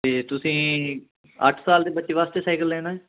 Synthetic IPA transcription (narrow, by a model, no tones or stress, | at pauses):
t̪eːt̪ʊsĩː | ə̰ʈʰsaːld̪eːbətːʃeːʋaːst̪eːsaːɪkəld̪eːnaːɛː